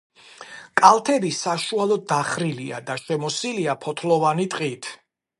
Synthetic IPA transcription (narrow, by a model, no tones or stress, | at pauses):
kʼalˠt̪ʰɛbisaʃualˠɔd̪aχɾilia̰d̪aʃɛmɔsiliapʰɔt̪ʰlɔvanit̪ʼqʼit̪ʰ